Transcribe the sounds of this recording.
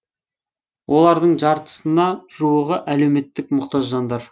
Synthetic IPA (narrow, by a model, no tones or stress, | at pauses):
wʔo̞lˠɑɾd̪əɴʒɑɾt̪ə̥sənd̪ɑʒuwəʁəʔælewme̞t̪ːɪkmʊqt̪ɑʒʒɑnd̪ɑɾ